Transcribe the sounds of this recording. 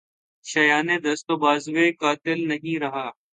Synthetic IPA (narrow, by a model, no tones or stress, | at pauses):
ʃɐjaːned̪ɐst̪oːbaːzʋekaːt̪ɪlnɐɦĩɾɐɦaː